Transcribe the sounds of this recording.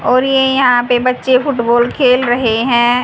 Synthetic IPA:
ɔːɾjejɐɦãpebɐtːʃefʊʈboːlkʰeːlɾɐɦeɦɛ̃ː

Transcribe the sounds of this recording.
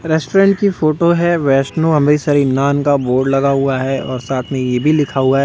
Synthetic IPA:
ɾɛːsʈoːɾɛ̃ːɳʈkifoːʈoɦɛʋɛːʃnoɐ̃mɾisɐɾinaːnkaboːɾɖlɐɡaɦuaɦɛɔːɾsaːt̪ʰmẽjebʱilɪkʰaɦuaɦɛ

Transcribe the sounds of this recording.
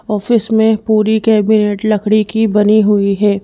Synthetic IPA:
ɔːfɪsmẽpuːɾikɛːbɪneːʈlɐkʰɽ̃ikibɐniɦʊiɦɛː

